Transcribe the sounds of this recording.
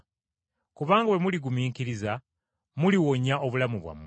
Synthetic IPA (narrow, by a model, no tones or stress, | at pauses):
kuβaːŋɡawe̞muliɡumiːkiɾiza | muliwo̞ɲaʔo̞βulamuβwa̰mː